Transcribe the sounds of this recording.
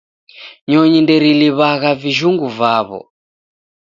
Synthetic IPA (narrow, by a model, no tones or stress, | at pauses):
ɲɔɲindɛɾiliβaɣaviʒuŋɡuvaβɔ̰